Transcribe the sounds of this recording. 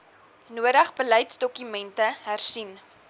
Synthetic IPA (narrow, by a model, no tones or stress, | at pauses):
nuəɾəχbələjtsdɔkymɛntəɦærsin